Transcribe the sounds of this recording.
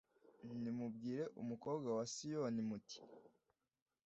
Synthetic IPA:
nimub̚ɡiːɾe̞ʔumuko̞ːbɡawasijonimuti̥

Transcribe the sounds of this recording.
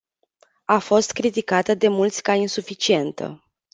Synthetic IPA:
afo̞st̪kɾit̪ikat̪əd̪e̞mult̪sʲkainsufit͡ʃie̞nt̪ə̰

